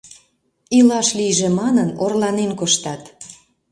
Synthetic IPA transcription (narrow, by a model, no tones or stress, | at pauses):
ilɑʃlijʒĕmɑnənorlɑnenkoʃt̪ɑt̪